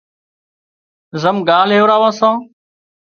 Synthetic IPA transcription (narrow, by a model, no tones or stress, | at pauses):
zəmɡaːl̤ɦeːɾaːʋãːsãː